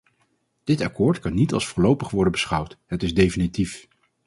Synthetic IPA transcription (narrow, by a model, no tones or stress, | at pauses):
d̥ɪtɑkʊːɹtkɑnːitɑ̰lˠsfʊːɹlowpəχʋɔɹdənbəsχʌwtɦətɪzdejfinitif